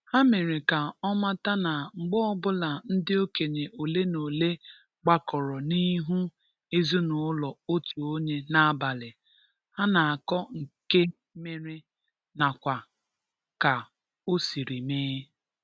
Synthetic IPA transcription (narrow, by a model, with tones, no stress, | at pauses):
ha˦me˨ɾi˨ka˨ɔ˦ma˦ta˦na˨ŋ͡m̩˨ɡ͡bɔ˦ɔ˦bʊ˦la˨n̩˦dɪ˦o˦ke˨ɲe˨ʔo˨le˦no˨le˦ | ɡ͡ba˦kɔ˨ɾɔ˨ni˦ɦu˦ | e˦zu˦nʊ˨˦lɔ˨o˦tu˨o˦ɲe˦na˦a˦ba˨lɪ˨ | ha˦na˨a˨kɔ˦ŋ̩˨ke˦ | me˨ɾi˦ | na˨kʷa˨ | ka˨ | o˦si˨ɾi˨meː˦